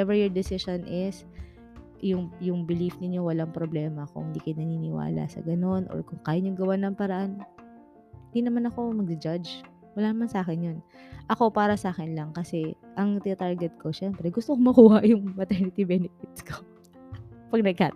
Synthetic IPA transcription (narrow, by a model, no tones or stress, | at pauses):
ɛvɛɹjoɹd̪ɪsɪʃonʔɪs | jʊŋjʊŋbɪlifnɪɲːo̞wɐlaŋpɾoblɛːmɐkʊ̰ŋhɪnd̪iːkɐjnɐniːnɪwa̰ːlɐ̰sɐ̰ɡɐno̞nʔo̰ɹkʊŋkaːjɐɲoɡɐwanɐŋpɐɾɐʔan | hɪnd̪inɐmanɐko̞mɐɡ̚d̪ɪd͡ʒad͡ʒ | wɐlaːnɐmansaːkɪnjonʔɐko̞paːɾɐsʔaːkɪnlɐŋkɐsɛʔɐŋt̪ɪɐt̪aɹɡɛt̪̚ko̞ʃɛmpɾɛɡʊst̪okomɐkuːhɐʔjʊŋmɐt̪ɛnɪt̪ibɛnɛfɪt̪sko | pɐɡ̚nɐɡ̚kaː